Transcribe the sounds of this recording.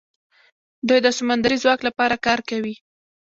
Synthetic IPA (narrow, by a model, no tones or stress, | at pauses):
d̪ujd̪əsʊmand̪aɾizwɑklapɑɾakɑɾkawi